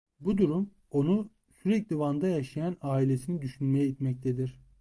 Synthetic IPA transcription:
bud̪uɾum | o̞nu | syɾɛclʲivand̪ajaʃajanaːilʲesinid̪yʃynmejɛit̪mɛc̚t̪ʰed̪iɾ̥

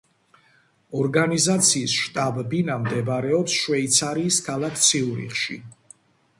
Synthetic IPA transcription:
ɔɾɡanizat̪sʰiːsʃt̪ʼabɛbinamd̪ɛbɾɛɔpsʃwɛit̪sʰaɾiːskʰalˠakʰt̪sʰiuɾḭχʃḭ

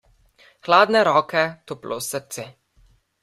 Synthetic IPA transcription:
xlaːd̪nɛɾɔːkɛt̪oplʔo̰səɾt̪se

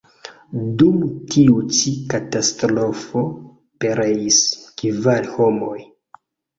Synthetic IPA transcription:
dumtʰiut͡ʃikatastɾo̞fo̞ | pe̞ɾeiskivalhomo̞j

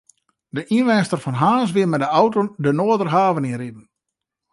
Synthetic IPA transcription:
dəʔinʋɛnstərfɔnɦaːs̬ʋɪmɛdəawtodənoədərɦaːvəninridən̩

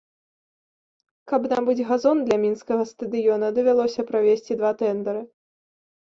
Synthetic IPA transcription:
kɐbnambɨd͡zʲɣazɔnd̪lʲɐmʲinskɐɣɐst̪ɐd̪ɨjɔnɐd̪ɐvʲalˠɔsʲɐpɾavʲesʲt͡sʲid̪vat̪ɛnd̪ɐɾɨ

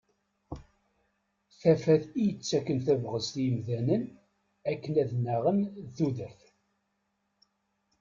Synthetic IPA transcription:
θæfæθijət͡sːækːənθævʁəzt̪jəmðænən | ækːənæðnæʁənðuðæf

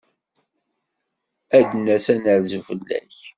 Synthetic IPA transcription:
æd̪næsænəɾzufəlːæ̰ç

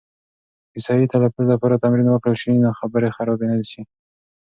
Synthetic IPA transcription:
kɪsɑjit̪alafunolapɑɾat̪amɾinwəkɽəlʃinoxabəɾexaɾɑbenalisi

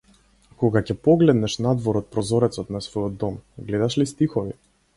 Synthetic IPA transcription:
kɔɡacɛpɔɡlɛd̪nɛʃnad̪vɔɾɔt̪̚pɾɔzɔɾɛt̪sɔt̪nasvɔjɔd̪ːɔmɡlɛd̪aʃlist̪ixɔvi

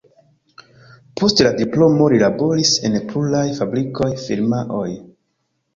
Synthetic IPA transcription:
po̞stladiplo̞mo̞ɾilabo̞ɾise̞̰npʰulajfabɾikʰo̞jfiɾmaʔoj

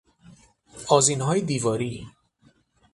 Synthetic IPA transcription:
ɒːzinɦɒːjed̪iːvɒːɾiː

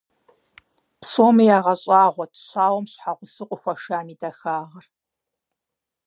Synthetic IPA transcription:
psoːmɐjaːʁɐɕʼaːʁʷɔtʰɕaːwɔmɕħaʁʷʊsɨqʷʼʊxʷɐʂaːmiːdɐxaːʁɐr

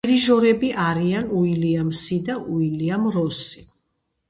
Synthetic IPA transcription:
ɾiʒɔɾɛbiʔaɾianuiliamsid̪aʔuiliamɾɔsi̥

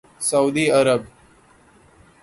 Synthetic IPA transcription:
səuːd̪iːəɾəb̚

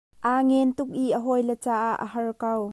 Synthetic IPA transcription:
ʔaːŋɛnt̪ʊk̚ʔiʔəɦɔjlət͡saːʔaʔːə̰hɐrkɐw

